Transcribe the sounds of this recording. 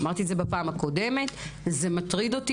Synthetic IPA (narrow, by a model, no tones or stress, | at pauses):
maʁt̪ietzebapaːmako̞de̞me̞t̪zemat̪ʁid̪o̞ti